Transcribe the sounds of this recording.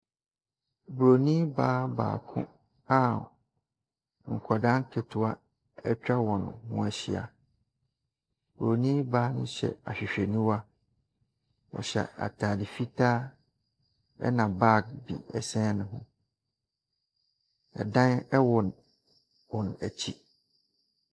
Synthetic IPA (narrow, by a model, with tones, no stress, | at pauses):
bu˨ɾo˨nĩ˦baː˦ba̰ː˨kʰʊ̰̃˦ | a˦ | ŋ̩˨kʰa˨dã˦ŋ˦kʰe˨tʰʊ˨a˦ | ɛ˦t͡ɕᶣa˦wɔ̃˨nʊ̃˨hʊ̰̃˦ɛ˨ɕɪ˨a̰˨ | bu˨ɾo˨nĩ˦baː˦nʊ̃˦ɕɛ̰˨a˨ɕᶣi˨ɕᶣe˨nũ˦wa˦ | wɔ̰˨ɕɛ̰˨a̰˨tʰaː˨di˨fi˦tʰaː˦ | ɛ̰˦nã˨ba˦k̚bḭ˨ɛ˨sɛ̃˦nʊ̃˨ɦʊ̃˦ | ɛ̰˨dã˦nɛ˦wɔ˨n | wɔ̃˨n˨æ˨t͡ɕʰi˦